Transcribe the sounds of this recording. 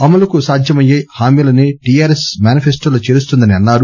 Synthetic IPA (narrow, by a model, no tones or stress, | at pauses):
ɐmɐlɐkusaːd̪ʱjɐmɐjeːhaːmiːlɐneːʈijaːɾesmʲaːnipʰesʈolɐt͡ʃeːɾust̪und̪ɐniɐnːaːɾu